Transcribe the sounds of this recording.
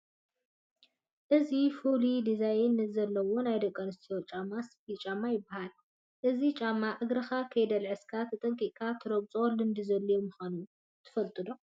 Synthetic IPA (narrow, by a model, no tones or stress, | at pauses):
ʔɨzifulid̪izajɪnɨzɐlːɐwo̞najd̪ɐkʼːɐnɨst̪ʰijot͡ʃʼamaspit͡ʃʼamːajɪbːahal | ʔɨzit͡ʃʼamːaʕɨɡɾɐxakʰɐjd̪ɐlʕɨskʰat̪ʰɐt̪ʼɐŋkʼiʔkʰat̪ʰɨɾɐbt͡sʼolɨnd̪izɐlːɐjomɨxanu | t̪ʰɨ̥fɐlt̪ʼɨd̪o